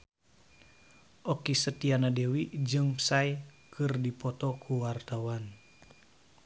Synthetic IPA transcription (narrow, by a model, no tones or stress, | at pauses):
ʔɔkisət̪ianadewid͡ʒɨŋpsaj | kʰɨrdipɔt̪ɔkʰuwart̪awan